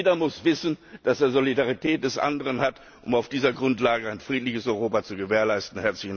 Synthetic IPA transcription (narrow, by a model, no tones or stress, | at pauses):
dɐmʊsv̥ɪsn̩d̥aseːɐzolidaʁ̞itʰɛːt̚d̥ɛsʔa̰ndəʁənhat | ʔʊmaʊfd̥iːzɐɡʁʊntlaːɡəaɪnfʁ̥iːtlɪçəsɔʏʁoːpat͡suɡəveːɐlaɪstn̩hɛɐt͡slɪçn